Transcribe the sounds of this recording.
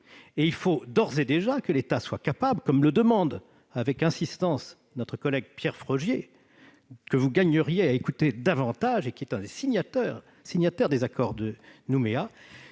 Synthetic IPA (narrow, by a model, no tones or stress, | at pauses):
eilfod̪ɔʁzed̪eʒakəlet̪aswakapablkɔmləd̪əmɑ̃d̪ | avɛkɛ̃sist̪ɑ̃s | nɔt̪χəkɔlɛɡ̚pjɛʁfχɔʒje | kəvuɡaɲəʁjeaekut̪ed̪avɑ̃t̪aʒekʲiɛt̪ɛ̃d̪esiɲat̪œʁ | siɲat̪œʁd̪ezakɔʁd̪ənumea